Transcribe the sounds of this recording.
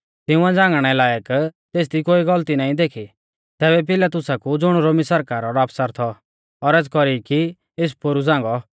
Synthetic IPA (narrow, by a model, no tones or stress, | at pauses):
t̪ɪʊ̃ãd͡zãːŋɡɽ̃ɛlaːjəkt̪eːs̬d̪ikoːiɡɔlt̪inãːĩd̪eːkʰi | t̪ɛːbɛp̬ɪlat̪ʊsakud͡zʊɽ̃ɾoːmisɐɾkaːɾɔɾaːpsaɾt̪ʰɔ | ɔɾɛːt͡skɔɾiki | es̬poɾud͡zãːŋɡɔ